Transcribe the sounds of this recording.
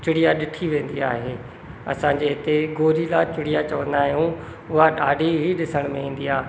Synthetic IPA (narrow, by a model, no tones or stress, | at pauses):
t͡ɕʊɽijaɗɪʈʰiʋẽːnd̪iaːɦeː | ɐ̰sãɲd͡ʑeɦɪt̪eɡoːɾilaːt͡ɕʊɽijat͡ɕɐʋə̃nd̪aːɦijũ | ʊɦaɗaːɖʱiɦiɗɪsəɽ̃mẽĩːn̆d̪iaːɦ